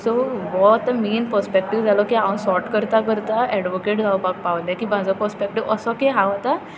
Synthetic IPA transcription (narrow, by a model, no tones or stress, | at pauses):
soʋɔt̪əmiːnpəɾspek̚ʈiʋd͡zʱalɔkiaəsɔɾʈkəɾt̪akəɾt̪aɛɖʋokeʈd͡zʱaupak̚paʋlakiːm̤ad͡zɔpəɾspek̚ʈiʋəsɔkeɦaʋt̪a